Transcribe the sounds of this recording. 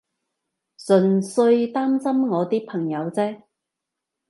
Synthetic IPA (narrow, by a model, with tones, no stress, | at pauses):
sɵ˨˩nsɵ˧ɥt̪aː˥msɐ˥mŋɔː˨˧t̪iː˥pʰɐ˨˩ŋjɐ˨˧wt͡sɛː˥